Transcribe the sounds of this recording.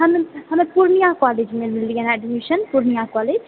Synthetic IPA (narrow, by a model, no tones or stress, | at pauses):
ɦəmehəmepuɾnijãkɔled͡ʒmemilijɛnaɖmiʃənpuɾnijakɔled͡ʒ